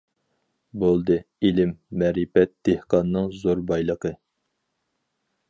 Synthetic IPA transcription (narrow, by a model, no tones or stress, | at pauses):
bolˠd̪ɨ | ilɪmːɛɾipɛt̪̚d̪̥ehqɑnːɨŋzoɾbɑjlˠəqə